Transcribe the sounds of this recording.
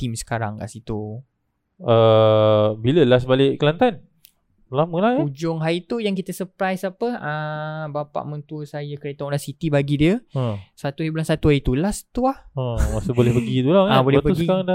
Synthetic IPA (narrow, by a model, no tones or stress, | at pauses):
t̪imsə̥kaɾa̰ŋka̰ʔsit̪u | ə | biləlasbalɪʔkəlant̪an | lamə̃lahaud͡ʒʊŋɦait̪ujaŋkit̪əsəpɾajsapəəbapa̰ʔmə̃nt̪uəsajəkəɾet̪aŋlasit̪ibaɡidiəəsat̪uhaibulansat̪uait̪ulast̪uahəmasubolɛhbəɡit̪ulakabolɛabəusɡikaɾaŋda